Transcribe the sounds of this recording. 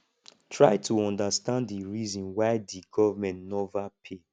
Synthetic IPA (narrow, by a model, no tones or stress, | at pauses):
tʰɹaɪtʰuɔ̃ndastãnddiɹizɔ̃nwaɪdiɡɔvamɛ̃ntnɛvapʰe